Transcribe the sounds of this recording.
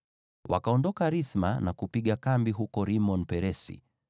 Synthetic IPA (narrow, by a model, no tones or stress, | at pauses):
wa̰kaɔndɔkaɾiθma̰nakupiɠakambiɦukɔɾimɔnpɛɾɛsḭ